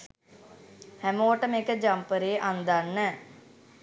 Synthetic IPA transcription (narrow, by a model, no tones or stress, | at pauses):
hæmoːəʈəmekəd͡ʒampəɾeːʔand̪anːə